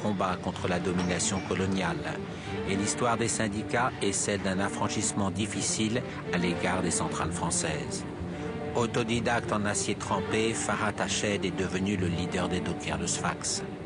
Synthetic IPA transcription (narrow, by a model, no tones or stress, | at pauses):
kɔ̃bakɔ̃t̪χəlad̪ɔminasjɔ̃kɔlɔnjal | elist̪waʁd̪esɛ̃d̪ikaɛsɛld̪ɛ̃nafχɑ̃ʃismɑ̃d̪ifisil | aleɡaʁd̪esɑ̃t̪χalfχɑ̃sɛːz | ɔt̪ɔd̪id̪ak̚t̪ɑ̃nasjet̪χɑ̃pefaʁat̪aʃɛd̪ɛd̪əvənyləlid̪œʁd̪ed̪okʰʲɛʁləsfa̰ks